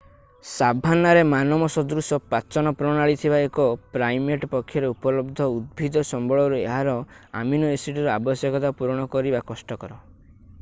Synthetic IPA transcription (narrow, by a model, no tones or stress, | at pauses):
sabʱanːaɾemanɔmɔsɔd̪ɾusɔpat͡ʃɔnɔpɾɔɽ̃aɭit̪ʰibaekɔpɾajmeʈɔpɔkʰːjɔɾeupɔlɔbd̪ʱɔud̪̚bʱid̪ɔsɔmbɔɭɔɾuḛɦaɾɔa̰minɔesiʈuɾɔabɔsjɔkɔt̪apuɾɽ̃ɔkɔɾibakɔsʈɔkɔɾɔ